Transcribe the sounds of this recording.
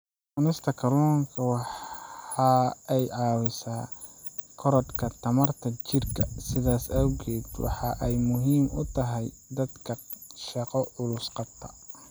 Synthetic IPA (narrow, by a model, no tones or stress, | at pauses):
ʊnɪst̪ʰɐkʰɐlɔːŋkʰɐwɑħɑɛjʕɑːwɪsaː | kʰɔɾɔd̪kʰɐt̪ʰɐmɐrt̪ʰɐt͡ʃɪrkʰɐsɪðaːsɐwɣɛːd̪wɑ̰ħɑʔɛjmʊɦiːmʔʊ̰t̪ʰɐɦɛj | d̪ɐd̪kʰɐ | ʃɑqɔʔʊlʊsqɑb̚t̪ʰɐ̥